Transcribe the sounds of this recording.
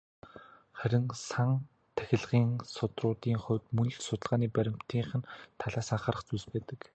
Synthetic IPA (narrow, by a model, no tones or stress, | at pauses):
χæɾʲɪ̆ŋsaŋ | t̪ʰæ̥xʲɪ̆ɮʁiːŋsʊt̪rʊːt̪iːŋχʊ̟wt̪mɵn̆t͡ɕsʊt̪ə̆ɮʁaːniːpæɾʲɪ̆m̥t̪ʰiːɴχɘ̆nt̪ʰaɮaːsaɴχaːɾə̆χt͡suːspæːt̪ə̆k